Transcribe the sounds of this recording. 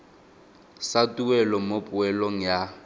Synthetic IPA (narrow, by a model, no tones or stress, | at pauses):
satʼuɛlɔmopʼʊɛloŋ̩ja